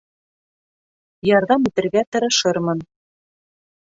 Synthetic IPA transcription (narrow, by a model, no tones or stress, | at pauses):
jɑɾðɑmʉt̪ɘ̆ɾɡæt̪ɤ̆ɾɤ̆ʃɤɾmɤn